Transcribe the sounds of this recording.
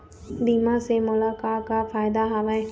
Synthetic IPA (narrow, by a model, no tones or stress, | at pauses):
diːmãsemʊlakaːkafaːɪd̪aɦaːʋaẽ